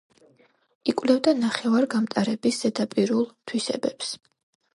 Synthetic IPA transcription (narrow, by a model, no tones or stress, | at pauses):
ikʼwlɛvd̪anaχɛvaɾɡamt̪ʼaɾɛbisz̥ɛd̪apʼiɾulˠt̪ʰwisɛ̰bɛps